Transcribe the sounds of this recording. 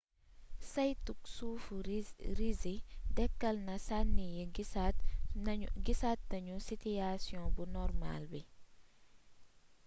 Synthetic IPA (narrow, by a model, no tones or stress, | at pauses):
sɐjtuk̚sufuɾizidɛkːɐlnɐsanːijɛɡsat | ɡisat̚nɐɲusituasjɔ̃bunɔrma̰ːlbi